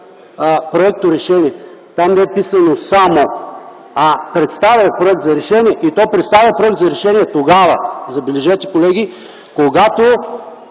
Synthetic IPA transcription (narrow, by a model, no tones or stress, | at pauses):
pɾoɛk̚t̪oɾɛʃɛnʲiɛ | t̪amnɛɛpisɐnosamo | apɾɛt̪st̪avʲɐpɾoɛk̚t̪zɐɾɛʃɛnʲiɛʔit̪ɔpɾɛt̪st̪avʲjɐpɾoɛk̚t̪zɐɾɛʃɛniɛt̪oɡavə̰zɐbɛlɛʒɛt̪i̥kolɛɡʲi | koɡat̪o